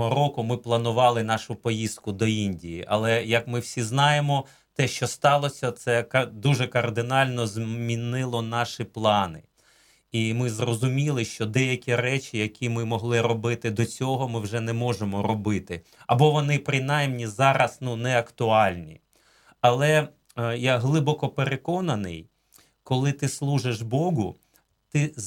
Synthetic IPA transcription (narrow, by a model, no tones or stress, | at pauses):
ɦɔɾɔkʊmɪplˠɐnʊʋɑlˠɪnɑʃʊpɔjist̪kʊd̪ɔinʲdʲijiʔɐ̰lˠɛjɐkmɪwsʲiznɑjemɔ | t̪ɛʃt͡ʃɔst̪ɑlˠɔsʲɐt̪sɛkɐd̪uʒɛkɐrd̪ɪnɑlʲnɔzmʲinɪlˠɔnɑʃiplˠɑnɪ | imɪzrɔzʊmʲilˠɪʃt͡ʃɔd̪ɛjɐkʲiɾɛt͡ʃʲijɐkʲimɪmɔɦlˠɪɾɔbɪt̪ɪd̪ɔt͡sʲɔɦɔmɪwʒɛnɛmɔʒemɔɾɔbɪt̪ɪ | ɐ̰bɔʋɔnɪpɾɪnɑjmnʲizɑɾɐsnunɛɐkt̪ʊɑlʲnʲḭ | ɐlˠɛ | jaɦlˠɪbɔkɔpeɾekɔnɐnɪ̰j | kɔlˠɪt̪ɪslˠuʒɪʒbɔɦʊ | t̪ɪ